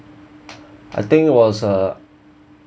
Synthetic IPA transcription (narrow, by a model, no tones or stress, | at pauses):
ʔa̰ɪθɪ̃ŋkɪt̚wɔzə